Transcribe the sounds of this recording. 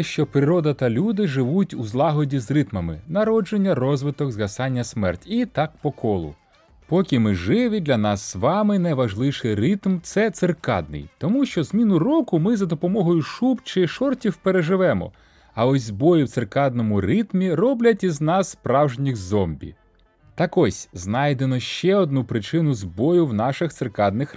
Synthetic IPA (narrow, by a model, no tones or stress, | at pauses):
ʃt͡ʃɔpɾɪɾɔd̪ɐt̪ɐlʲud̪ɪʒɪʋutʲuzlˠɑɦɔdʲizrɪt̪mɐmɪ̰nɐɾɔd͡ʒenʲːɐrɔzʋɪt̪ɔɡzɣɐsɑnʲːɐsmɛrtʲit̪ɑkpɔkʰɔlˠʊ̰ | pɔkʲimɪʒɪʋɪd̪ʲlʲɐnɑsːʋɑmɪnɐjʋɐʒlˠɪwʃɪjrɪt̪mt̪sɛt̪sɪrkɑ̰d̪̚nɪ̰jt̪ɔmuʃt͡ʃɔzmʲinʊrɔkʊmɪzɐd̪ɔpɔmɔɦɔjʊʃupt͡ʃɪʃɔrtʲiwpeɾeʒɪʋɛmɔ̰ | ɐɔsʲzbɔjʊwt̪serkɑd̪nɔmʊɾɪt̪mʲiɾɔblʲɐtʲiznɑsːpɾɑwʒnʲixzɔmbʲḭ | t̪ɑkɔsʲznɑjd̪enɔʃt͡ʃɛɔd̪̚nupɾɪt͡ʃɪnʊzbɔjʊwnɑʃɪxt̪sɪrkɑd̪nɪx